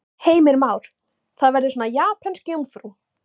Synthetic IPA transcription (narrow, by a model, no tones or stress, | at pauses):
heːjmɪɾmaːwɾ̥ | θaðvɛɾðɪsɔːnajaːpʰɛnscjowmfɾu